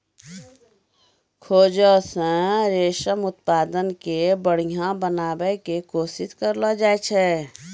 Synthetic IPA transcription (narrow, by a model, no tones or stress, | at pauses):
kʰoːd͡ʒəsə̃ɾeːʃəmʊt̪̚paːd̪ənkebəɽ̤ijãbənaːbɛkekoːsɪskəɾlad͡ʒaːet͡ʃʰɛ